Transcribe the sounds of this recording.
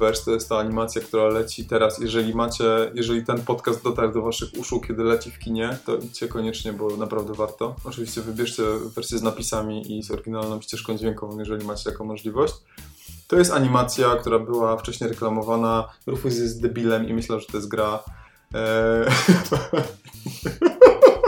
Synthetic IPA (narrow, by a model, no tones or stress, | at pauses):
vɛʂt̪ɔjɛst̪ːaːɲimat̪sʲjakt̪uɾalɛt͡ɕit̪ɛɾasjɛʐɛlʲimat͡ɕɛjɛʐɛlʲit̪ɛnpɔt̪kast̪̚ːɔt̪aɾɾd̪ɔvaʂɘxṵʂukkʲɛd̪ɘlɛt͡ɕɛfkʲiɲɛt̪ɔʔit͡ɕɛkɔɲɛt͡ʂɲɛbɔnapɾavd̪ɛvaɾt̪ɔɔt͡ʂɨvʲiɕt͡ɕɛvɘbʲjɛʂt͡ɕɛvːɛɾsʲjɛznapʲisamʲiʔizɔɾɡʲinalnɔ̃t͡ɕɛʂkɔ̃w̃d͡ʑvʲjɛŋkɔvɔ̃w̃jɛʐɛlʲimat͡ɕɛjakɔ̃mɔʐlʲivɔɕt͡ɕ | t̪ɔjɛst̪aɲimat̪sʲjakt̪uɾabɘwaft͡ʂɛɕɲejɾɛklamɔvanaɾufizɛzd̪ɛbʲilɛmḭmɘɕlɛʐɛt̪ɔjɛst̪ɡɾa